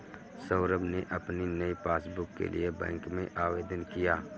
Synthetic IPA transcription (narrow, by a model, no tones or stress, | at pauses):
səːɾəbneʔɐpninəipaːsbʊkːḛlʔḭebɛ̰̃ːŋkmẽʔaːʋweːd̪ənkijaː